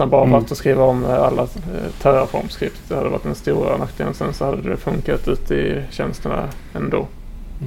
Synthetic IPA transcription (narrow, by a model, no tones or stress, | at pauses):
anmbɑːɾavat̪ːɔskɾiːvaɔmalːat̪ʰæːɾaɾfɔ̰ɾmskɾɪpt̪d̪ɛhad̪ːəva̰ʈ̪ːd̪ɛnst̪uːɾanakd̪ənsɛnsɔhad̪ːəd̪ɛfɵŋkat̪ʉ̟ːt̪ʰəɪɕɛnst̪əɳa̰ɛnd̪oː